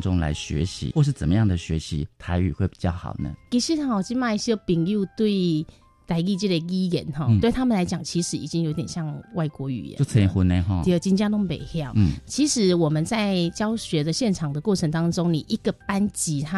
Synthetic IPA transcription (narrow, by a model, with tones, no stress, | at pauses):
ʈ͡ʂʊ˦ŋla̰˧˥ɪɕɥɛ̰˧˥ɕḭ˧˥xwɔ˥˧ʂ̬ɻ̩˥˩t͡sə˨˩mə˦jɑ˥˩ŋd̪ə˩ɕɥɛ˧˥ɕḭ˧˥t̪ʰa˧˥ɪy̰˨˩xwe˥˩ɪpi̥˨˩t͡ɕjɑ˥˩ʊxɑ̰˨˩ʊnə̰˦ki˧˥˩ɕi˥˩ɔ˨˩t͡ɕi˥˧nwa˥˧i˥˩ɕjɛ˥pi˨˩ŋju˥˧t̪we˥˩ɪ | t̪a˧˥ɪki˥˧t͡ɕi˥˩d̪ə˨˩i˥jɛ˧˥˦nxɔ˥˧t̪we˥˩ɪt̪ʰa˥mə˨nla˧˥ɪt͡ɕjɑ˨˩ŋt͡ɕʰi˧˥ʂɻ̩˧˥i˨˩t͡ɕi˥ŋjo˧˥ʊt̪jɛ˨n˩ɕjɑ˥˧ŋwa˥˩ɪkwɔ˧˥y̰˨˩jɛ̰˦˥t͡sʰə˥˦˩xu˧˥na˧ɔ˥˧ə˧˩t͡ɕi˥nt͡ɕja˥t̪ʊ˥ŋpe˨˩ɪxjɑ˥˨˩ʊ˥˩t͡ɕʰi˧˥ʂɻ̩˧˥wɔ˨˩mə˦nt͡sa˥˩ɪt͡ɕjɑ˥ʊɕɥɛ˧˥d̪ə˧ɕjɛ˥˩nʈ͡ʂʰɑ˨˩ŋd̪ə˩kwɔ˥˩ʈ͡ʂʰə˧˥ŋt̪ɑ˥ŋʈ͡ʂo˥ŋni˨˩ʔi˧˥ɡ̥ə˨pa˥nt͡ɕi˧˥a˦